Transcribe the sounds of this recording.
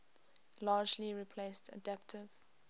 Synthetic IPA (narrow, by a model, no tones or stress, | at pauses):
lɑːd͡ʒliɹipʰleɪstʰə̰dæp̚tʰɪv̥